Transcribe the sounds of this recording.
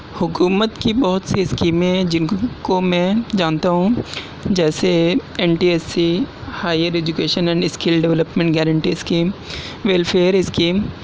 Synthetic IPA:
hʊkuːmət̪kibɔɦʊt̪siskiːmɛ̃d͡ʒɪnkomɛ̃d͡ʒaːnt̪aɦũ | d͡ʒɛːseɛnʈiːɛsihaːɪəɾeːd͡ʒʊkeːʃənɛ̃ːɳɖɪskɪlɖɛʋləpmẽɳʈɡɛːɾə̃ɳʈiɪskiːm | ʋelfʰeːɾɪskiːm

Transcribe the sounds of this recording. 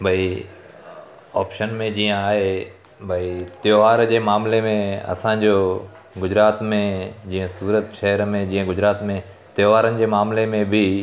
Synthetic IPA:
bʱɐi | ɔ̰ːpʃənmẽd͡ʑiːə̃aːɦe | bʱɐit̪joːʋaːɾd͡ʑeːmaːmlemẽɐ̰sãd͡ʑoː | ɡʊd͡ʑɾaːt̪mẽd͡ʑiːə̃suːɾət̪ʃɛɦəɾmẽd͡ʑiːə̃ɡʊd͡ʑɾaːt̪mẽ | t̪joːʋaːɾənɪ̆d͡ʑeːmaːmlemẽbʱi

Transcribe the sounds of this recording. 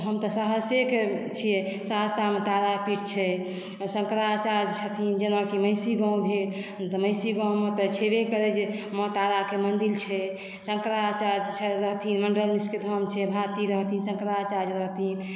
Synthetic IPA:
ɦəmt̪ɔsaɦəsjeket͡ʃʰijesaɦəssamet̪aɾapiʈ̚t͡ʃʰɛ | sə̃ŋkɾat͡ʃad͡ʒt͡ʃʰət̪ʰind͡ʒenakiməɪsiɡãw̃bʱelt̪məɪsiɡãw̃mɔt̪ət͡ʃʰebekəɾɛd͡ʒemɔt̪aɾakemənd̪ilt͡ʃʰɛ | səŋkɾat͡ʃad͡ʒt͡ʃʰɛɾəɦt̪ʰinməɳɖəlmisʈked̪ʱəmt͡ʃʰɛbʱat̪iɾəɦt̪ʰinsəŋkɾat͡ʃad͡ʒɾəɦt̪ʰin

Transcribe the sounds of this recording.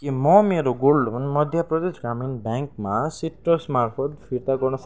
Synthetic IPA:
kimɔmeɾɔɡolɔmɔnmɔd̪ʱjapɾɔd̪esɡaminbɛŋkmasiʈɾɔsmaɾkʰɔt̪pʰiɾt̪akɔɹnɔs

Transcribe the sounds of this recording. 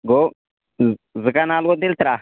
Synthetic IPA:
ɡo | zikanalkɔt̪ilt̪ɾa

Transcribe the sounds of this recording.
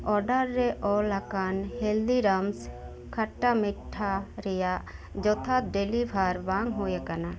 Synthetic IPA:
ɔɾɖəɾːɛʔɔlakanheld̪iɾams | kʰaʈːamɪʈʰːaɾɛja | d͡ʒɔt̪ʰat̪̚ɖelibʱaɾbaŋɡɦojekana

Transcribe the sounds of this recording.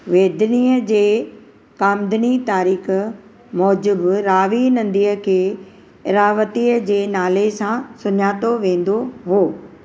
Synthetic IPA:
ʋeːd̪ɪniːəd͡ʑeː | kaːmd̪ɪnit̪aːɾiːx̆ | mɔːd͡ʑɪbɾaːʋinɐ̃nd̪iːəkʰeː | ɪɾaːʋət̪iːəd͡ʑeːnaːlesãsʊɲaːt̪oʋẽːn̆d̪oɦoː

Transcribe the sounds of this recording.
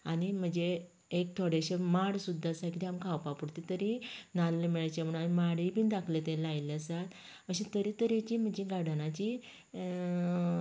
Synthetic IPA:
aɽim̤əd͡ʑeː | k̚t̪ʰoɽeɕemaɽsud̪ʱːasakit̪iamkʰawpapuɽt̪it̪əɾinalːemɛɭajt͡ɕamuɳanimaɽibind̪akʰlet̪ẽlajleasat̪ | əɕẽt̪əɾit̪əɾet͡ɕim̤əd͡ʑeɡaɽanat͡ɕi

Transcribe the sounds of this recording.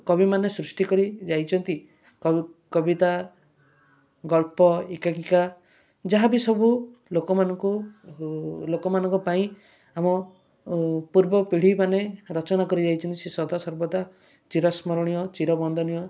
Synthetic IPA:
kɔbimanesɾusʈikɔɾid͡ʒajt͡ʃʰɔnt̪i | kkɔbit̪a | ɡɔlpɔikakika | d͡ʒaɦabisɔbulokɔmanɔŋku | lokɔmanɔŋkupaĩ | amɔ | puɾbɔpiɽ̤imaneɾɔt͡ʃɔnakɔɾid͡ʒajt͡ʃʰɔnt̪isesɔd̪asɔɾbɔd̪a | t͡ʃiɾɔsmɔɾɔɽ̃ijɔt͡ʃiɾɔbɔnd̪ʱɔnijɔ

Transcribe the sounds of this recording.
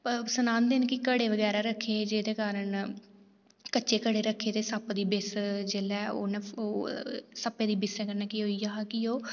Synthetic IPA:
psənãːnd̪eːnkɪkəɽeːʋəɡɛːɾaːɾəkʰːeːd͡ʒeːd̪eːkaːɾən | kəːʃeːkəɽeːɾəkʰːeːt̪eːsəpd̪iːbɪsd͡ʒelɛːo̰ːnɛoːsəpːeːd̪iːbɪsɛːkənɛːkiɦoːiːjaːɦkɪoː

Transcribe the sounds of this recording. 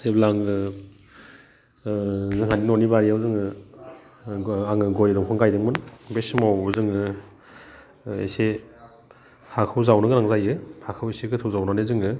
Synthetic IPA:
seblaŋɯ | zɯŋɦandinɔnibaɾijawzɯŋɯ | aŋɯɡɔjɯdɔŋpʰɔŋkajdɯŋmɯnbesmawɯzɯŋɯ | ḛse | hakʰɯwzawnɯɡɯnaŋzajɯhakʰaweseɡɯtʰɯwzawnanezɯŋɯ

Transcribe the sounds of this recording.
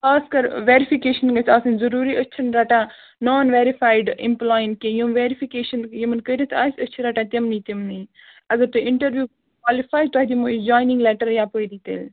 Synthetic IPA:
kaːskɐɾʋeːɾipʰikeːʃənɡɐt͡ʃʰaːsɐnzɐɾuːɾiːətːt͡ʃʰɐnɾɐʈãː | nɔːnʋeːɾifaːjɖḭ̃mplaːjənʈ̚kejumʋeːɾifʰikeːʃənjimɐnkəɾɐt̪ʰaːsʲət͡ʃʰiɾɐʈãːt̪ɐmnit̪imniː | ɐɡɐɾt̪uɪɳʈəɾʋjuː | kwaːlifaːjt̪aːɦd̪imud͡ʒaːjnĩŋɡleːʈəɾjaːpojd̪it̪ḛl

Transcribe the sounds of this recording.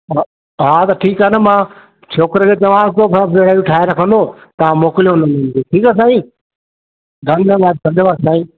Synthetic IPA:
ɦat̪ɐʈʰiːkaːnəmãː | t͡ɕʰoːkɪɾəkʰeːt͡ɕɐʋãːsɪt̪ʰopʰpeɽaːũʈʰaːɪɾɐkʰə̃nd̪ot̪ɐʋãmoːkɪlijonɐmɐ̃nd̪iʈʰiːkaːs̬aːĩ | ɡʱɐnɡəʋaːd̪̚kɐ̃nd̪əʋaːsaːĩː

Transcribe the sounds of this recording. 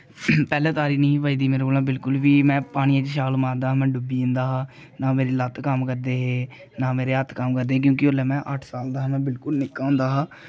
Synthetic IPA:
pɛːlɛ̃ːt̪aːɾiːnĩːʋaːiːd̪iːmeːɾoːlãːbɪlkʊlʋiːmɛ̃ːpaːɽ̃ɪjãːt͡ʃʃaːɡlmãːɾd̪aːɦmɛ̃ːɖʊbiːɪ̃nd̪aːɦaː | naːmeːɾiːlət̪kəmkəɾd̪eːɦeː | naːmeːɾeːɦət̪kəmkəɾd̪eːk̬jõːkɪoːlɛːmɛ̃ːʔəʈʰsaːld̪aːɦːmɛ̃ːbɪlkʊlnɪkːaːʊ̃nd̪aːɦaː

